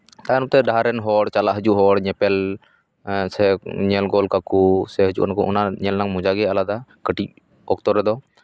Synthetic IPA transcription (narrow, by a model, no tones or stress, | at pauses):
t̪anɔmt̪ɛɖaɦaɾɛnɦɔɽt͡ʃalaʔɦəd͡ʒuʔɦɔɽɲɛpɛl | sɛɲɛlɡɔlkakusɛɦəd͡ʒṵʔnakɔʔɔnaɲɛlnaŋmud͡ʒaɡɛalad̪akəʈic̚ | ɔk̚t̪ɔɾɛd̪ɔ